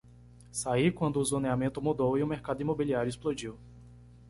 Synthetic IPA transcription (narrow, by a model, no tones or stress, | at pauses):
saikwɐ̃nd̪ʊʊzoneamẽt̪ʊmud̪owiʊmeɾkad̪ʊimobiliaɾjʊisplod͡ʒiw